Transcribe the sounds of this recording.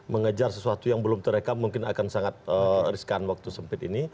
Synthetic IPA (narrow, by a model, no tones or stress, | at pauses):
məŋəd͡ʒarsəsuat̪ujaŋbəlʊmt̪əɾekamuŋkɪna̰kansaŋat̪̚əɾiskanwak̚t̪usəmpɪt̪ḭni